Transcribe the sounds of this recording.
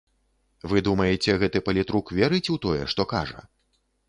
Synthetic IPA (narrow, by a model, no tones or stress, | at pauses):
vɨd̪umɐjɛt͡sʲɛɣɛt̪ɨpɐlʲit̪ɾukvʲɛɾɨt͡sʲut̪ɔjɛ̰ʂt̪ɔka̰ʐɐ̰